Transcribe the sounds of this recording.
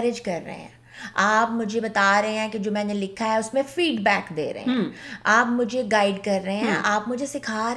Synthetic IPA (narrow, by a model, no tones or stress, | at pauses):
ɾɪd͡ʒkɐɾːə̰ɦḛɛ̰̃ː | aːpmʊd͡ʒʱebɐt̪aːɾɐɦẽɦɛ̃ːked͡ʒoːmɛ̃ːnelɪkʰːaɦɛʊsmẽfiːɖbɛːkd̪ḛːɾɐ̰ɦḛ̃ɦɛ̃aːpmʊd͡ʒʱeɡaːɪɖkɐɾːəɦeɦɛ̃ʔaːpmʊd͡ʒʱesɪkʰaːɾ